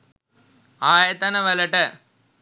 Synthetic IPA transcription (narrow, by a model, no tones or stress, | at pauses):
aːjɐt̪ɐnɐʋɐlɐʈːɐ